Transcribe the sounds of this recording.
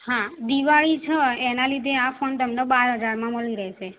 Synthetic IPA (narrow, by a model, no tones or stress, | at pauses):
hãd̪iʋaɭit͡ʃʰəenalid̪ʱeafont̪əmnebaɾɦəd͡ʒaɾmãməɭiɾəɦet͡ʃʰe